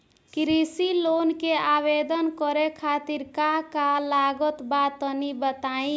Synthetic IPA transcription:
kɾisilonkeabed̪ənkɔɾekʰat̪iɾkaɦkalaɡət̪bat̪ənibət̪aĩ

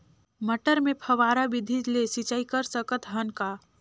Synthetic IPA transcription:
məʈəɾmepʰəʋaːɾabid̪ʱid͡ʒlesit͡ʃaikəɾsəkət̪ɦənka

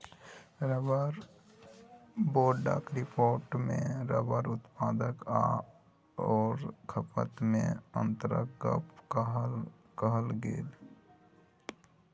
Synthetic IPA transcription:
ɾəbəɾ | boːɖa̰kɾɪpoːɾʈmḛ̃ɾəbəɾʊt̪paːd̪əka̰ | ɔːɾkʰəpə̰t̪mḛ̃ə̰nt̪əɾə̰kə̰pkɦ | kəɦəlɡḛːd̪

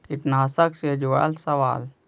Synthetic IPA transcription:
iʈnaːsəksed͡ʒoa̰lsɐʋa̰ːl

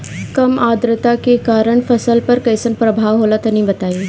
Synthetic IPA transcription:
kɐmaːd̪ɾɪt̪akekaːɾəɳ̃fʰɐsəlpɐɾkɐjsənpɾɐbʱaːʋɦoːlat̪ɐnĩbɐt̪aːi

